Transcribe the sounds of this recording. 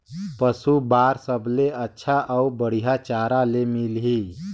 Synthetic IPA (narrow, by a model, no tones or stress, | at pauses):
pəsubaːɾsəbleətːʃʰaʔəubəɽ̤ijat͡ʃaːɾalemilɦi